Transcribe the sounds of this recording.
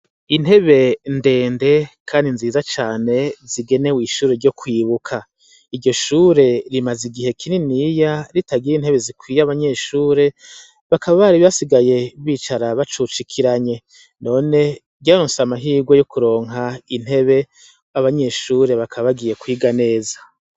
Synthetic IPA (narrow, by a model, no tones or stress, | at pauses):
in̥he̞βe̞nde̞ːnde̞kʰaːndinziːzat͡ʃaːne̞ziɡe̞ne̞wiʃuːɾe̞ɾɟo̞kwiːβukʰa | iɾɟo̞ʃuːɾe̞ɾimaziɡiɦe̞kʰininijaɾitaɡiɾin̥he̞βe̞zikwiːjaβaɲe̞ʃuːɾe̞ | βakaβaβaɾiβasiɡaje̞uβiːt͡ʃaɾaβat͡ʃut͡ʃikʰiɾaɲe̞ | no̞ːne̞ | ɾjaːɾoːnsamaɦiːɡwejokuɾo̞ːŋɦain̥he̞βe̞ | aβaɲe̞ʃuːɾe̞βakʰaβaβaɡije̞kwiːɡane̞ːzḁ